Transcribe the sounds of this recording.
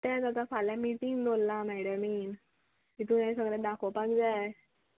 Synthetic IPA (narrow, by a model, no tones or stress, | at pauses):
t̪akak̪afʰalamiʈiŋɡd̪ʱolːamɛɽəmiːn | kit̪unãsəɡɭɛ̃d̪akʰopakd͡za